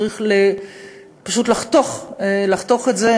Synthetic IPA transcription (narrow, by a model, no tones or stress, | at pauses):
ʁiχle | paʃut̪laχt̪o̞χlaχt̪o̞χetze